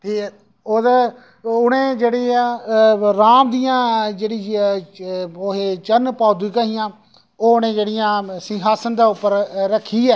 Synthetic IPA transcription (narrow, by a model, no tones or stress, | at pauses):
t̪ʰiː | oːd̪ | ʊnẽːd͡ʒeːɽeːa | ɾaːmd̪ijãːd͡ʒeːɽiː | oɦeːt͡ʃənpaːd̪iːkaːɦɪjãː | oːʊnẽːd͡ʒeːɽɪjãːsɪ̃ŋɦaːsənd̪aːʊpːəɾɾəkʰːiːɛː